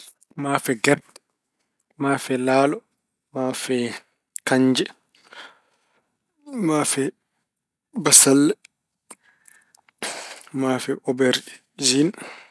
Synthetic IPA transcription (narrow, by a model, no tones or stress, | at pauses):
mafɛɡɛɾdɛ | maːfɛlaːlɔ | maːfɛ | kaɲd͡ʒɛ | mafɛ | basalːɛ | maːfɛʔɔbɛɾɗɛ | zin